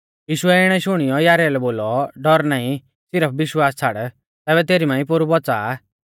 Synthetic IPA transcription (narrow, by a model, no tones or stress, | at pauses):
jiːʃʊɛɪɽ̃ɛʃʊɽ̃ɪjɔjaːɾɛlɛboːlɔɖɔɾnaːĩ | sɪɾəp̚ʰʋɪʃwaːst͡sʰaɽ | t̪ɛːbɛt̪eːɾimãːĩpoɾubɔt͡saː